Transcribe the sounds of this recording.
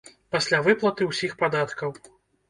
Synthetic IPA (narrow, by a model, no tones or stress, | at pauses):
pasʲlʲavɨplˠɐt̪ɨwsʲixpad̪at̪kɐw